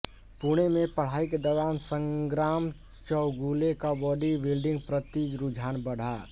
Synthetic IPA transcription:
puɽ̃emẽpəɽ̤aːiked̪ɔːɾaːnsə̃ŋɡɾaːm | t͡ʃəʊɡulekabɔːɖibilɖɪ̃ŋɡpɾət̪id͡ʒɾud͡ʒʱaːnbəɽ̤a

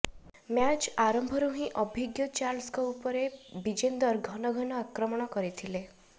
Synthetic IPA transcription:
mjat͡ʃaɾɔmbʱɔɾuɦĩʔɔbʱiɡjɔt͡ʃaɾlskɔupɔɾebid͡ʒend̪ɔɾɡʱɔnɔɡʱɔnɔakɾɔmɔɽ̃ɔkɔɾit̪ʰile

